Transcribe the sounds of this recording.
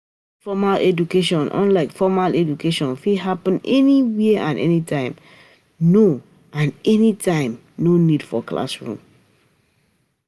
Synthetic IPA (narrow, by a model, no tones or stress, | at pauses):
fɔmalɛd͡ʒukeʃɔ̃nʔɔ̰̃nlaɪkfɔmalɛd͡ʒukeʃɔ̃nfiɦapə̃nɛniwiʔã̰nʔɛ̰nitʰãɪ̃m | no | ʔãnɛnitʰãɪ̃m | nonid̥fɔkla̰sɹṵ̃m